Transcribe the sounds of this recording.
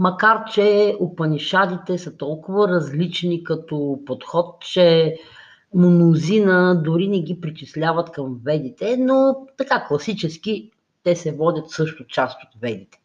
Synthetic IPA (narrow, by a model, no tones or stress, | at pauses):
mɐkaɾt͡ʃɛʊpɐnʲiʃad̪it̪ɛsət̪ɔlˠkʊvəɾɐzlit͡ʃnikɐt̪ɔpot̪xɔt̪̚t͡ʃɛ | monʊzinəd̪ʊɾinɛɡ̟ipɾit͡ʃislʲavɐt̪kɐmvɛd̪it̪ɛnot̪ɐkaklˠɐsit͡ʃɛsk̟i | t̪ɛsɛvɔd̪ʲət̪sɤʃt̪ʊt͡ʃast̪ot̪vɛd̪it̪ɛ̥